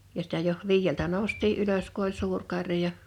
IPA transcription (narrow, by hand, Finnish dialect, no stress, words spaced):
jɑ sitæ joh ʋiːjːeltæ noˑu̞stˑiː ʔyløs ku olʲ suːr kɑrjɑ